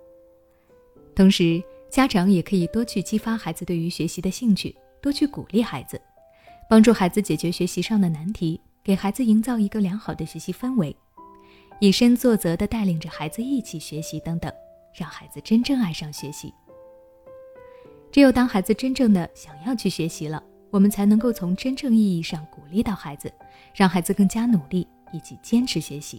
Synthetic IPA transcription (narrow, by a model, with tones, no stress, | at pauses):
t̪ʰʊ˧˥ŋʂɻ̩˧˥t͡ɕja˥ʈ͡ʂʰɑ˧˥ŋjɛ˨˩kʰɤ˧˥i˨˩t̪wɔ˥t͡ɕʰy˥˩t͡ɕi˥fa˥xa˧˥ɪd͡zɹ̩˧we˥˩y˧˥ɕɥɛ˧˥ɕi˧˥d̪ə˧ɕi˥˩ŋt͡ɕʰy̰˥˩ | t̪wɔ˥t͡ɕʰy˥˩ku˨˩li˥˩xa˧˥ɪd͡zɹ̩˧ | pɑ˥ŋʈ͡ʂu˥˩xa˧˥ɪd͡zɹ̩˧t͡ɕjɛ˨˩t͡ɕɥɛ˧˥ɕɥɛ˧˥ɕi˧˥ʂɑ˥˩ŋd̪ə˩na˧˥nt̪ʰi˧˥ | ke˨˩ɪxa˧˥ɪd͡zɹ̩˧i˧˥ŋt͡sɑ˥˩ʊi˧˥ɡə˧ljɑ˧˥ŋxɑ˨˩ʊd̪ə˦ɕɥɛ˧˥ɕi˧˥fə˥nwe˧˥ɪ | i˨˩ʂə˥nt͡swɔ˥˩t͡sɤ˧˥d̪ə˧t̪a˥˩ɪli˨˩ŋʈ͡ʂə˦xa˧˥ɪd͡zɹ̩˧i˥˩t͡ɕʰi˨˩ɕɥɛ˧˥ɕi˧˥t̪ɤ˧˥ŋt̪ɤ̰˨˩ŋ | ɻɑ˥˩ŋxa˧˥ɪd͡zɹ̩˧ʈ͡ʂə˥nʈ͡ʂɤ˥˧ŋa˥˧ɪʂɑ˥˩ŋɕɥɛ˧˥ɕḭ˧˥ | ʈ͡ʂɻ̩˧˥jo˥˩ʊt̪ɑ˥ŋxa˧˥ɪd͡zɹ̩˧ʈ͡ʂə˥nʈ͡ʂɤ˥˩ŋd̪ə˩ɕjɑ˨˩ŋjɑ˥˧ʊt͡ɕʰy˥˩ɕɥɛ˧˥ɕi˧˥lə̰˧ | wɔ˨˩mə˦nt͡sʰa˧˥ɪnɤ˧˥ŋko˥˩ʊt͡sʰʊ˧˥ŋʈ͡ʂə˥nʈ͡ʂɤ˥˧ŋi˥˧i˥˧ʂɑ˥˩ŋku˨˩li˥t̪ɑ˥˩ʊxa˧˥ɪd͡zɹ̩˧ | ɻɑ˥˩ŋxa˧˥ɪd͡zɹ̩˧kɤ˥˩ŋt͡ɕja˥nu˨˩li˥˩ | i˨˩t͡ɕi˧˥t͡ɕjɛ˥nʈ͡ʂ̩ʰ˧˥ɕɥɛ˧˥ɕḭ˧˥